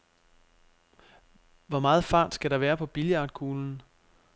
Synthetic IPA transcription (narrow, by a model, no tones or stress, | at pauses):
ʋɒmɑ̈ːð̞̩ˠfɑ̈ːd̥sɡ̥æɾɑ̈ʋæːɐpʰɒ̽b̥iljɑ̈ːd̥kʰuːln̩